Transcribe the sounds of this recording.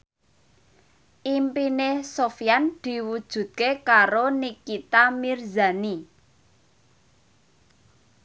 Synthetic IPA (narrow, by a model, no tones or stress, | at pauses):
ʔimpinesofijand̪̥i̤wud̥ʒ̥ṳt̪̚kekaɾonikːit̪amirza̤ni